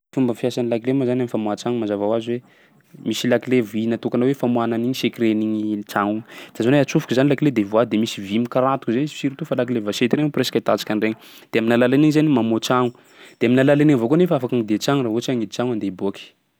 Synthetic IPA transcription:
fumbəfjasanilakilemazanamifamuat͡ʃaŋumazavawaziwe | misilakilevinat̪ukanawefamuananiɲisekiɾeniɲit͡ʃaŋud̪̥azaneat͡sufukizanilakiled̪evuad̪emisivimikaɾat̪u̥kzenizsiɾit̪ufalak̬ilevaʃet̪iɾeŋupresḁkat̪at͡ʃi̥kʲanreɲid̪̥eaminalalaniɲizanimamot͡ʃaŋu | d̪̥eaminalalaniɲvokonefaafakaŋid̪eat͡ʃaŋuraɦot͡ʃiaŋid̪it͡ʃaŋand̪eibokʲi̥

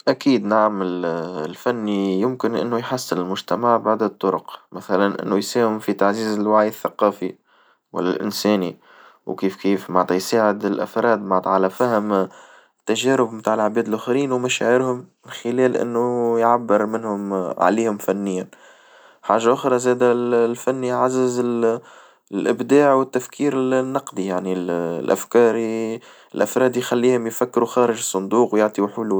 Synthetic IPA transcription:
ʔækiːd̪naʕamɪllfænːijɪmkɪnʔɪ̰nːujħasːɪnɪlmʊʒt̪amaʕbaʕd̪ət̪ˤːʊɾʊqmæθælanʔɪ̰nːujsæːhʊmfit̪aʕziːzɪlwaʕjəθːaqɑːfi | wa̰lːæ̰lʔɪ̰nsɛːni | wkiːfkiːfmaʕt̪ˤɑjsaːʕɪd̪ɪlʔa̰fɾˤɑːd̪maʕt̪ˤʕalæfæhɪm | t̪ːæʒæːɾʊbɪmt̪aːʕəlʕbɛːd̪ɪlʔʊxɾiːnwmæʃæ̰ʕɪɾhʊmːɪnxɪlɛːlʔɪ̰nːujʕabːɪɾmɪnhʊmʕa̰liːhʊmfænːɪjːan | ħaːʒːaʔʊxɾˤɑzæːd̪ællfænːiʕazːɪzɪl | lʔɪbd̪aːʕwɪt̪ːæfkʰiːɾɪlnːɑqd̪ijaʕnillʔa̰fkɑːɾ | ɪlʔafɾˤɑːd̪jxælːiːhʊmjfækːɪɾuxɑːɾɪʒɨsˤːʊnd̪uːqwjoʕt̪ˤiwħuːl

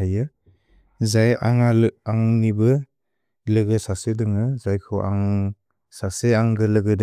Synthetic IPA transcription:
ajɯ | zajaŋalaŋnibɯ | lɯɡɯsasedɯŋɯzajkʰɯʔa̰ŋ | saseaŋɡɯlɯɡɯdɯ

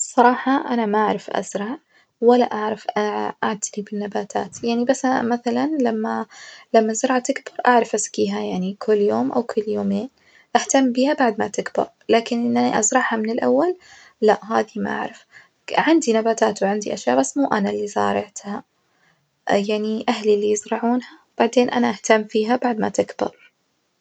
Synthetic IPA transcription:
sˤɑɾˤɑːħɑʔanamaʔaʕɾˤɑfʔa̰zɾˤɑʕ | walːaʔaʕɾˤɑfʔaʔaʕt̪ʰalibɪnːabaːt̪ʰa̰ːt̪jaʕnibasːamaθalanlamːalamːazʊɾˤʕat̪ɪkbɑɾˤʔaʕɾˤɑfʔaskiːɦajaʕnikʰʊlːjoːmʔa̰wkʰʊlːjoːmeːn | ʔaħt̪amːbiːhabaʕd̪mat̪ɪkbɑ̰ɾˤlaːkɪnʔɪnʔaniʔa̰zɾˤɑʕhamɪnɪlʔawːal | laʔɦa̰ːðima̰ʔa̰ʕɾˤɪf | ʕɪnd̪inabaːt̪aːt̪wʕɪnd̪iʔaʃjaːʔbasːmuːʔanalːizɑ̰ːɾˤɪʕt̪ha | jaʕniʔaɦlilːijɪzɾɑʕuːnhawb̥aʕd̪eːnʔanaʔaht̪amːfiːɦabaʕd̪ma̰t̪ɪkb̥ɪ̰ɾˤ

